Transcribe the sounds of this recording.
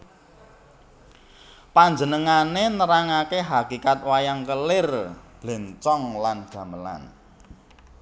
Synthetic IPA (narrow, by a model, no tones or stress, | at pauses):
paɲd͡ʒənəŋanenəɾaŋakeɦakikat̪̚wajaŋkəlɪrb̥lɛ̤nt͡ʃɔŋlanɡ̥a̤məla̰n